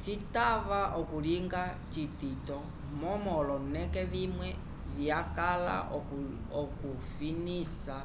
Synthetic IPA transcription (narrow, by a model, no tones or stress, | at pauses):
t͡ʃitavaʔɔkuliŋɡa | t͡ʃititɔ | mɔmɔlɔnɛkɛβimwɛ | βjakala̰ | ɔku | finisa